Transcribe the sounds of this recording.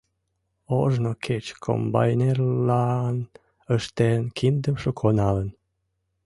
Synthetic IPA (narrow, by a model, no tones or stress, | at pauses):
oʒnokʰet͡ɕkʰo̰mbɑ̰jnerlɑn | əʃt̪enkʰind̪əmʃokʰonɑlən